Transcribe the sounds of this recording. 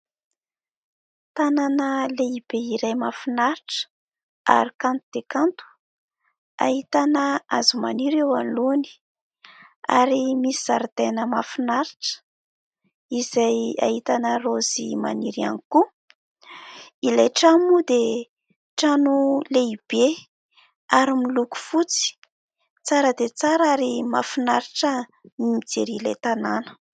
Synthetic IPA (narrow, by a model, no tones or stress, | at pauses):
t̪ananəleib̥eiɾajmafinaɾiʈ͡ʂə̥ | a̰ɾikant̪ud̪ekant̪u̥ | a̰hit̪anəazumaniɾewanluni̥ | a̰ɾimisizaɾit̪enəmafinaɾiʈ͡ʂə̥ | izaja̰ɦit̪anərozima̰niɾia̰niku | ilejʈ͡ʂamud̪e | ʈ͡ʂanuleib̥e | aɾimiluku̥fut͡si̥ | t͡saɾəd̪et͡saɾaɾimafinaɾiʈ͡ʂənimid͡zeɾilḛt̪ananə̥